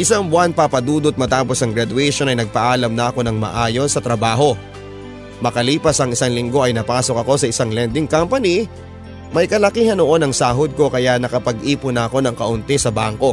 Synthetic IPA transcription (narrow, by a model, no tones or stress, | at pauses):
ʔɪsaŋbʊanpɐpɐd̪uːd̪ot̪̚mɐt̪aːpo̞sɐŋɡɾɐd̪ʊɛjʃo̞nɐjnɐɡ̚pɐʔaːlɐmnɐʔɐko̞nɐŋmɐ̰ʔaːjo̞nsːɐt̪ɾɐbaːɦo̞ | mɐkɐliːpɐsɐŋɪsaŋlɪŋɡo̞ʔɐjnɐpaːso̞k̚ɐko̞sɐɪsaŋlɛnd̪ɪŋkampɐni | mɐjkɐlɐkiːhɐnoʔo̞nɐŋsaːɦod̪̚ko̞kɐjaʔnɐkɐpɐɡʔiːpʊnɐʔɐko̞nɐŋkɐʔʊnt̪ɛsɐbaŋko̞